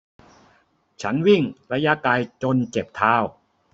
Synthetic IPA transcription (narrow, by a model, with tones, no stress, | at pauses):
t͡ɕʰa˦˥nwi˥˩ŋɾa˧˥ja˦˥kaː˧jt͡ɕo˧nt͡ɕe˨˩p̚t̪ʰaː˧˥˩w